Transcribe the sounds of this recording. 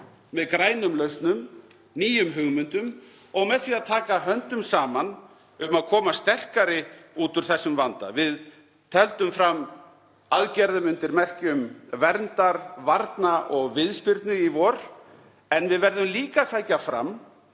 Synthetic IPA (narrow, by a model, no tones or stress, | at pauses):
mɛðkɾaːjnʏmlœɥst̪nʏm | niːjʏmɦʏɣmʏnt̪ʏm | ɔɣmɛðθiːaðt̪ʰaːkaɦœnt̪ʏmsaːman | ʏmaðkʰɔːmast̪ɛr̥kaɾɪuːt̪ʏɾ̥θɛsːʏmvant̪a̰vɪð | t̪ʰɛlt̪ʏmfɾam | aðcɛɾðʏmʏnt̪ɪɾmɛr̥cʏmvɛɾnt̪aɾvaɾt̪naʔɔɣvɪðspɪɾt̪nʏivɔɾ̥ | ɛnvɪðvɛɾðʏmliːkasajcafɾa̰m